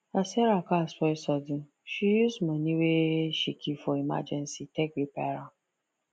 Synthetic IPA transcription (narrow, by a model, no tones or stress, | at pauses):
asɛɾakaspɔɪsɔdɪ | ʃijuzmaniweʃikʰifɔima̰d͡ʒɛnsitɛkɾipeɾa